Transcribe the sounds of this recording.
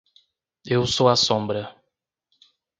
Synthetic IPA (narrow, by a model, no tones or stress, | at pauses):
ewsowɐsõbɾɐ